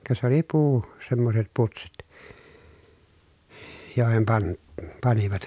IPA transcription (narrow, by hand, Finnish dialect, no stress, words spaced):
kɑ sĕ oli puː semːoset putsit joˑehem pɑn pɑniʋɑt